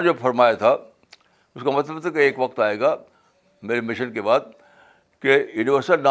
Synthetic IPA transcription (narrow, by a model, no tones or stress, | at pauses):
nofʰɐɾmaːjat̪ʰa | ʊskamɐt̪ləbt̪keːkʋɐkt̪aːeːɡaː | meːɾemɪʃənkebaːd̪̚ | kejuːnɪʋəɾsɪəna